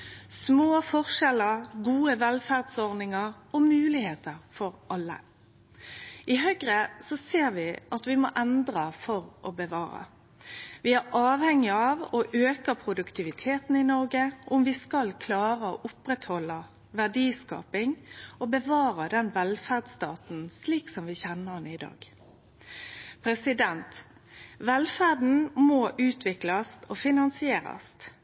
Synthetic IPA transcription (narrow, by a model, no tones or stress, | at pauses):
smoːfɔʁʃɛləɾɡuːəʋɛlfæʁd̪sɔʁnɪŋəʁɔmʉːlɪheːt̪ʰəʁfɔɾʔɑlːə̰ | ɪɦœɡɾəsɔseːɾʋɪʔɑt̪ʋɪmɔʔɛnd̪ɾəfɔɾʔɔbəʋɑːɾə̰ | ʋɪæɾɑːʋhɛŋːɪɑʋɔʔøːkəpʰɾʊd̪ʉkt̪ʰɪʋɪt̪ʰeːt̪n̩ɪnɔʁɡəʔʊmʋɪskɑlkʰlɑːʁəo̰ʔʊpɾɛt̪hɔlːə | ʋæʁdiːskɑ̰ːpɪŋɔbəʋɑːʁəd̪ɛnʋɛlfæʁd̪st̪ɑ̰ːt̪n̩sliːksɔmʋɪçɛnːənɪd̪ɑ̰ːɡ̥ | pʰɾɛsɪd̪ɛnt̪ | ʋɛlfæʁd̪n̩mɔʔʉːt̪ʰʋɪklɑst̪ɔfɪnɑnsɪeːɾɑ̰st̪